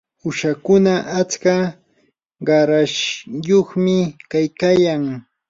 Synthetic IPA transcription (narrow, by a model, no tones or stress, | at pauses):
ʊʃakʊnaʔat͡ʃka | ɢɑɾaʃjoχmɪkajkaːjaŋ